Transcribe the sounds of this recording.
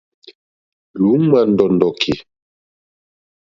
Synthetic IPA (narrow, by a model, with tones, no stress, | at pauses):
lu˨˦ma˨ndɔ˨ndɔ˨kʰe˨